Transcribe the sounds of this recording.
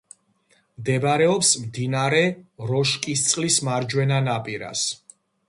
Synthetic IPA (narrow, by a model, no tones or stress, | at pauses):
md̪ɛbaɾɛɔpsmd̪inaɾɛɾɔʃkʼist̪sʼlismaɾd͡ʒwɛnanapʼiɾa̰s